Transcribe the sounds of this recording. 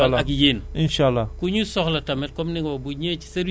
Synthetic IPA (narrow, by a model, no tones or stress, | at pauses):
alak̬ijeninʃalːakuɲusɔklatamet̚kɔmniŋobuɲet͡ʃi̥seɾ